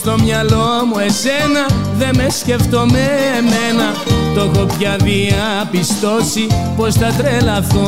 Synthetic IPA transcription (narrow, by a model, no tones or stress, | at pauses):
st̪o̞mɲɐlo̞mue̞senɐðe̞mesce̞ft̪o̞meme̞nɐ | t̪o̞ko̞pʝɐðiɐ | pist̪o̞sipo̞st̪ɐt̪ɾelɐθo